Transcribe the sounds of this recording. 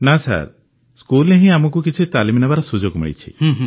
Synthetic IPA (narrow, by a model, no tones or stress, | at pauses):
nasa̰ɾ | skuleɦĩamɔkukit͡ʃʰit̪alimenabaɾasud͡ʒoɡmḭɭḭt͡ʃʰḭ